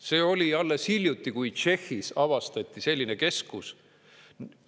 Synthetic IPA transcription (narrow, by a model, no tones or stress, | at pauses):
se̞ːo̞lʲiɑlːeshilʲjut̪ːikujt͡ʃe̞xːisɑvɑst̪ɑt̪ʲːise̞lʲːineke̞skus